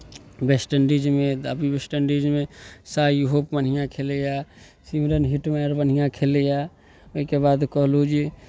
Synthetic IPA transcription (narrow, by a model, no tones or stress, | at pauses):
besʈənɾid͡ʒmẽəbibesʈənɾid͡ʒmẽsajɦoːpbənɦijãkʰeleja | simɾənɦiʈmeɾbən̤ijãkʰelea | əkebaːd̪kəɦlud͡ʒi